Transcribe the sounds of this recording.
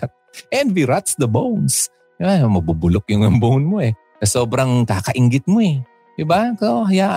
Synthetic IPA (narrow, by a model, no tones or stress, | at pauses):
t̪̚ʔɛnd̪viɾat̪sd̪ɐbowns | ɪbamɐbubʊlok̚jʊŋɐmbownmoɛ | kɐsoːbɾɐŋkaːkɐʔɪŋɡɪt̪̚moɛ | d̪ɪbakohja